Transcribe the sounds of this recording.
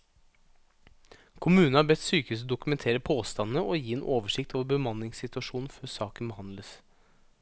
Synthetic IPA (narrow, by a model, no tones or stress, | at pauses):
kʰʊmʉːn̩hɑːɾbɛt̪syːkəʉs̬ɔd̪ʊkʉmɛnt̪ʰeːɾəpʰoːst̪ɑnnəʔɔjiːɛnʔoːʋəʂɪkt̪ʰɔʋbəmɑnlɪŋsɪt̪ʉɑʂuːnn̩føːsɑːkənbəhɑnləs